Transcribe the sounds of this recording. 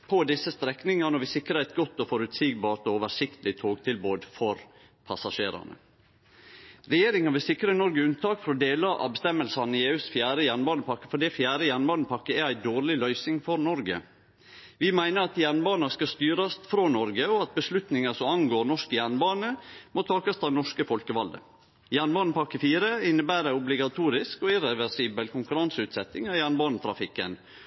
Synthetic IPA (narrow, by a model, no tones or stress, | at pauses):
pʰɔd̪ɪsːəst̪ɾɛknɪŋɑnɔʋɪsɪkːɾəɛɪt̪ɡɔt̪ːɔfɔɾʉt̪siːɡ̚bɑːɾt̪ɔoːʋəʂɪkt̪lɪt̪ʰoːɡt̪ʰɪlboːd̪fɔɾ | pʰɑsɑʂeːɾɑ̰nə̰ | ɾɛjeːɾɪŋɑʋɪsɪkɾənɔɾɡəʉnt̪ʰɑːkfɔɾɔd̪eːlɑɾʔɑ̰bɛst̪ɛmːəlsɑnɪeːʉːsfjæːɾəjænbɑːnəpʰɑkːə̥fɔɖ̪ifjæːɾəjænbɑːnəpʰɑkːəɛæɪd̪oːɾɭɪlœʏsɪŋfɔɾnɔɾɡə̰ | ʋɪmæɪnəɾɑt̪jænbɑːnɑskɑst̪yːɾɑst̪fɾoːnɔɾɡəɔɑt̪̚bəslʉt̪nɪŋəsɔmɑŋɡoːɾnɔʂkəjænbɑːnəmot̪ʰɑːkɑst̪ɑːʋnɔʂkəfɔlkəʋɑld̪ə̰ | jænbɑːnəpʰɑkːəfiːɾəɪnːəbæːɾəʊblɪɡɑt̪ʰuːɾɪskɔɪɾɛʋɛɾsiːbəlkʰʊŋkʉɾɑnsʉːt̪sɛt̪ːɪŋɑːjænbɑːnət̪ʰɾɑfɪkːə̰n